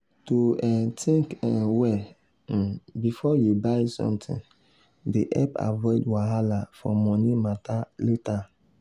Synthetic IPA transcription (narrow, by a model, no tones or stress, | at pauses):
toɛtʰĩŋkɛ̃wɛ | bifɔjubaɪsɔ̰̃mtʰḭ̃n | deʔɛpa̰vɔɪdwaɦalafɔmɔnimataleta